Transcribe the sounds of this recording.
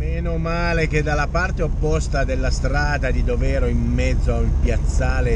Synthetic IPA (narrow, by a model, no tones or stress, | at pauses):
meːnomaːlek̟ed̪ːalːapart̪eopːɔst̪ad̪elːast̪ɾaːd̪ad̪id̪ovɛːɾoimmɛd̪zːoaulpjat̪sːaːle